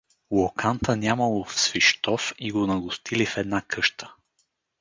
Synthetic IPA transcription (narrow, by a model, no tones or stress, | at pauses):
wokant̪ənʲamɐlˠofsviʃt̪ɔfiɡonɐɡʊst̪ʰilifɛd̪nakʰɤʃt̪ə̥